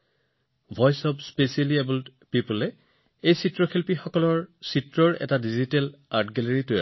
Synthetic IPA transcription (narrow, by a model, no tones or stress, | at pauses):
bʱɔjsɔbspesialiɛbultpipulɛ | ejsitɹɔkʰilpixɔkɔlɔɹsitɹɔɹɛ̰tadizitɛlaɹtɡɛleɹitʊja̰